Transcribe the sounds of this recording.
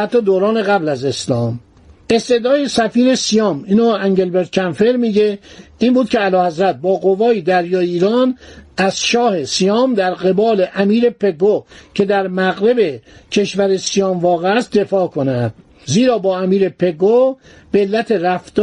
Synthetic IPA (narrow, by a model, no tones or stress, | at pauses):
hæt̪ʰːɒːd̪oːɾɒːne̞ɣæblæze̞slɒːm | e̞st̪e̞d̪ɒːjesæfiːɾe̞sijɒːmiːnoːæŋɟe̞lbeɾd̪̚cʲʰænfeɾmiːɟeiːmbuːd̪̚cʰeælɒːhæzɾæt̪̚bɒːɣovɒːid̪æɾjɒːjeiːɾɒːnæz̥ʃɒːhe̞sijɒːmd̪æɾɣe̞bɒːle̞ʔæmiːɾe̞pʰe̞ɡocʰe̞d̪æɾmæɣɾe̞be̞cʰe̞ʃvæɾesijɒːmvɒːɣeæst̪̚d̪e̞fɒːkʰo̞næd̪̥ | ziːɾɒːbɒːæmiːɾepʰe̞ɡo | b̥eːlːæt̪ʰeɾæfd̪̥